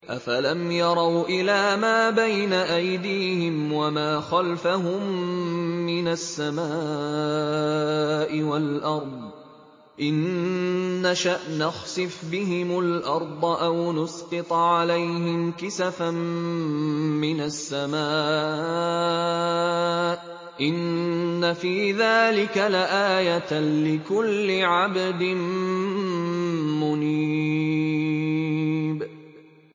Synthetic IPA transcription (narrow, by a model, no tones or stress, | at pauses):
ʔa̰falamjɑɾˤɑwʔɪlaːmaːbajnaʔajd̪iːhɪmwamaːxalfaɦʊmː | ɪnasːamaː | ʔɪwalʔɑɾˤd̪ˤ | ʔɪnː | aʃaʔnɑxsɪfbɪɦɪmʊlʔɑɾˤd̪ˤʔawnʊsqɨt̪ˤʕalajɦɪmkɪsafam | mɪnasːamaːʔʔ | ʔɪnːafiːðaːlɪkalaʔaːjalɪkʊlːɪʕabd̪ɪn | mʊni | b